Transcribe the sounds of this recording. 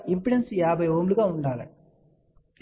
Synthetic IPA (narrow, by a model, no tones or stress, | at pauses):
ɪmpɪɽɐnsijaːbɐɪoːmlɯɣaːʊɳɖaːɣɐ̰